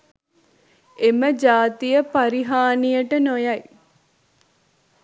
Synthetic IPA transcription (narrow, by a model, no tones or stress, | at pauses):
eməd͡ʒaːt̪ijəpaɾiɦaːnijəʈənojaj